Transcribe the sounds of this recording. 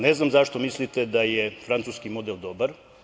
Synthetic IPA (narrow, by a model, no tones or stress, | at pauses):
neznamzaʃt̪o̞mislit̪ed̪ajefɾant̪suskimod̪elˠd̪obaɾ